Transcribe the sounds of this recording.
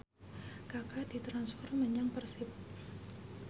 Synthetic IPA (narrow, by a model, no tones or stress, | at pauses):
kakadit̪ɾansfɔrməɲaŋpərsɪp̚